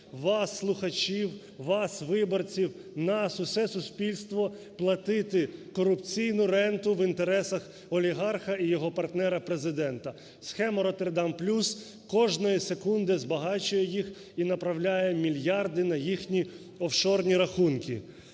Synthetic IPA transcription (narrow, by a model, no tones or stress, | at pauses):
ʋɑsːlˠʊxɐt͡ʃʲiw | ʋɑsʋɪbɔrt͡sʲiwnɐsʊsɛsʊsʲpʲilʲst̪ʋɔ | plˠɐt̪ɪt̪ɪkɔɾʊpt͡sʲijnʊɾɛnt̪ʊʋint̪eɾɛsɐx | ɔlʲiɦɑrxɐijɔɦɔpɐrt̪nɛɾɐpɾezɪd̪ɛnt̪ɐ | sxɛmɐɾɔt̪erd̪ɑmplʲus | kɔʒnɔjɛsekund̪ɪzbɐɦɑt͡ʃʊjɛjix | inɐpɾɐwlʲajɛmʲilʲjɑrd̪ɪnɐjixnʲi | ɔwʃɔrnʲiɾɐxunkʲḭ